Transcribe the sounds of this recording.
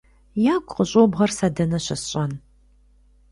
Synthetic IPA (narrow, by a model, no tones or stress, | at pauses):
jaːɡʷʼqəɕʼoːbʁɐrsɐdɐnɐɕɐsɕʼɐn